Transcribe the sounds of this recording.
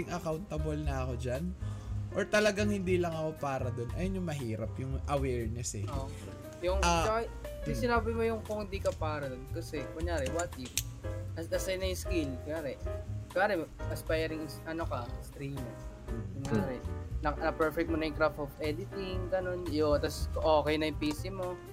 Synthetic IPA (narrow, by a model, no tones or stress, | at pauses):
ɪŋʔɐkawnt̪ɐbolnɐɐko̞d͡ʒanʔoɹt̪ɐlɐɡaŋhɪnd̪iːlɐŋɐko̞paːɾɐd̪o̞nʔɐ̰jonjʊŋmɐɦiːɾɐpjʊŋʔɐwɛːɹnɛsɛo | jʊŋat͡ʃɐkaisɪnaːbɪmojʊŋkʊŋhɪnd̪ikɐpaːɾɐd̪onkɐsɛkʊŋjaːɾɛwat̪iɐɐsɐjnɐjʊskilkojaːɾɛkaːɾɛʔɐspajɛɾɪŋɪsʔɐnokɐst̪ɾim | ʊŋjaːɾɛnɐnɐpɛɹfɛkt̪̚monɐjʊŋkɾaft̪ofʔɛd̪ɪt̪ɪŋɡɐno̞njot̪ɐskʔoːkɛjnɐjʊŋpiːsɪmo̞